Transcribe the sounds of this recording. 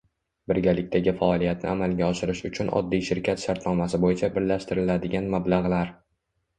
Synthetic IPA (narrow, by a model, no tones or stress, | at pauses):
bɪɾɡʲalɪk̚ʲt̪aɡʲɪfaɒlˠijat̪nɪ̰amalˠɡʲaɒʃɪɾɪʃʊt͡ʃʰʊnʔɒ̰d̪ːijʃɪɾkʲʰat̪ʃaɾt̪nɒmasɪbojɪt͡ʃʰabɪɾlaʃt̪ɪɾɪlad̪ɪɡʲanmablˠaʁlaɾ